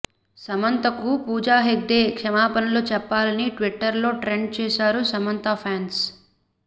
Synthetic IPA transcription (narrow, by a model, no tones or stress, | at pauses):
sɐmɐnt̪ɐkupuːd͡ʒaːɦeɡ̚d̪eːkʂɐmaːpɐnɐloːt͡ʃɛpːaːlɐniʈʋiʈːɐɾlo̞ːʈɾeɳɖ̚t͡ʃɛːsaːɾusɐmɐnt̪apʰaːns